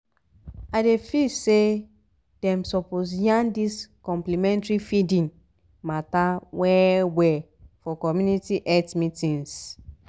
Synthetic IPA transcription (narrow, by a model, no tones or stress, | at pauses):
adefise | d̥ɛ̃msɔpos̬jãndiskɔ̃mplimɛ̃ntɹifidĩn | matawɛwɛ | fɔkɔmjunitiʔɛtmitĩns